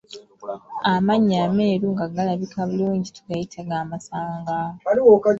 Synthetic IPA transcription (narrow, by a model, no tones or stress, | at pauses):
amaɲːaːmeːɾuŋɡaɡalaβikʰaβuluːɲɟitʰuɡajitʰaɡaːmasaːŋɡaaliwoka